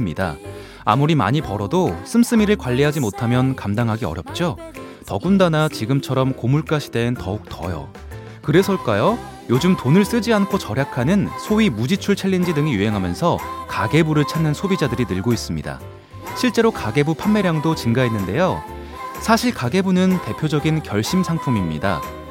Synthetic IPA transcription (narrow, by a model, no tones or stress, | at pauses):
mɲida̰ | a̰muɾima̰ɲipʌɾʌdos͈ɯms͈ɯmiɾɯɭkwaʎːiɦad͡ʑimotʰamjʌnkamdaŋɦaɡiʌ̰ɾjʌp̚t͡ɕ͈o | tʌɡundanat͡ɕiɡɯmt͡ɕʰʌɾʌmkomuɭk͈aɕʰide̞ɯntʌ̰uk̚t͈ʌ̰jo̰ | kɯɾe̞sʰʌɭk͈ajo | jod͡ʑumtonɯɭs͈ɯd͡ʑiankʰot͡ɕʌɾjakʰanɯnsʰoimud͡ʑit͡ɕʰuɭt͡ɕʰeʎːind͡ʑidɯŋijuɦe̞ŋɦamjʌnsʰʌkaɡe̞buɾɯɭt͡ɕʰanːɯnsʰobid͡ʑadɯɾinɯɭɡois͈ɯmɲida̰ | ɕʰiɭt͡ɕ͈e̞ɾokaɡe̞bupʰamːe̞ɾjaŋdot͡ɕinɡaɦenːɯnde̞jo | sʰaɕʰiɭkaɡe̞bunɯnte̞pʰjod͡ʑʌɡinkjʌ̰ɭɕ͈imsʰaŋpʰumimɲḭda̰